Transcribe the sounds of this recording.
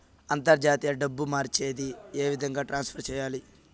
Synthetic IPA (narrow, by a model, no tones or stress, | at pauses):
ɐnt̪ɐɾd͡ʒaːt̪iːjɐɖɐbːumaːɾt͡ʃeːd̪ie̞ːʋid̪ʱɐŋɡaːʈɾaːnspʰɐɾt͡ʃɛːjaːli